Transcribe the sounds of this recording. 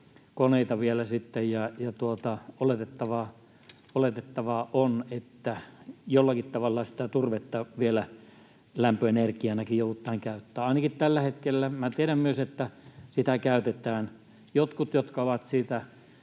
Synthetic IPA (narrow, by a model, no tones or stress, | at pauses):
koneˑit̪ɑʋielæsit̪ːejjɑjɑt̪uot̪ɑolet̪et̪ːɑʋɑ | olet̪et̪ːɑʋɑʔonet̪ːæjolːɑkit̪t̪ɑʋɑlːɑsi̥t̪æt̪urʋet̪ːɑʋielæ | læmpøenerkiænɑkijoˑuut̪ːˑɑːŋkæˑyt̪ːæːɑˑinɑkitt̪ælːæhet̪kelːæmæt̪ieɾæmmyøset̪ːæsit̪ækæˑyt̪et̪æːn | jot̪kut̪jot̪kɑoʋɑt̪siːt̪æ